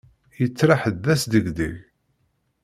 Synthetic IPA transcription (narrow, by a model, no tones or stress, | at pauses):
jət͡sːɾaħd̪ːæsd̪əɡd̪ḭʝ